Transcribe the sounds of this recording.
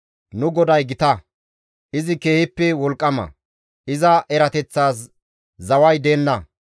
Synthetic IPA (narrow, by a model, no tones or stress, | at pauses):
nʊɡɔd̪ɐjɡɪt̪ɐ | ʔɪzɪke̞ːhɪpːɛwɔlkʼːɐmɐ̰ | ɪzɐʔɛɾɐt̪ɛt͡sːaːs̬ | zɐwɐjd̪e̞ːnːɐ